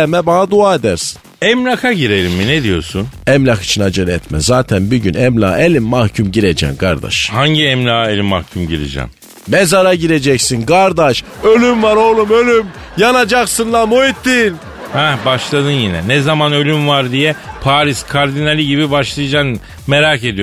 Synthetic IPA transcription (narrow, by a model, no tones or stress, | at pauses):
mɛbanad̪uaːed̪æɾsi̥nɛmlʲakʰaɟiɾeɾimːined̪ijo̞̰ɾsunɛmlʲaxi̥t͡ʃʰinad͡ʒɯnɛt̪mɛ̰zaːt̪ʰænbuɟynɛmlʲa̰ːelʲimːahcʰumɟiɾed͡ʒɛ̰mkʰa̰ɾd̪a̰ʃhaɲɟiɛmlʲaːelʲimːa̰hcʰumɟiɾḛd͡ʒɛ̰m | mezaɾaɟiɾe̞d͡ʒɛcsinɡaɾd̪aʃ | ø̞lʲymvaɾo̞lˠumølʲym | janad͡ʒaksɯnlˠamoit̪ʰːin | hɛbaʃlˠad̪ɯnjinɛnɛzamanø̞lʲymvaɾd̪ijɛpʰaːɾiskʰaɾd̪inalʲiɟibibaʃlˠajad͡ʒan | meɾaːke̞d̪ijo